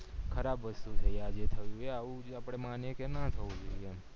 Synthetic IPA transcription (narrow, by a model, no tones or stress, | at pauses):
kʰəɾabʋəst̪ut̪ʰəjaɾd͡ʒet̪ʰəjũeaʋũapəɽ̃emanjekenat̪ʰəũd͡ʒuem